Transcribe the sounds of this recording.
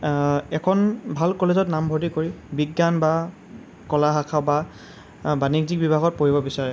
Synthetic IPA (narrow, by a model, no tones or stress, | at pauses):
ɛkʰɔnbʱalkɔlezɔtnambʱodikoɹibiɡːanba | kɔlaɦakʰaʊba | baniɡ̚zik̚bibʱaɡɔt̚poɹibɔbisaɹɛ